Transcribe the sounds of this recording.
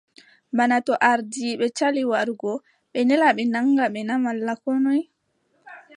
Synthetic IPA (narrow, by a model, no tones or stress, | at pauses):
banatɔʔaɾdiɓɛt͡ʃaliwaɾɡɔ | ɓɛnɛlaɓɛnaŋɡaɓɛnamalːakɔnɔj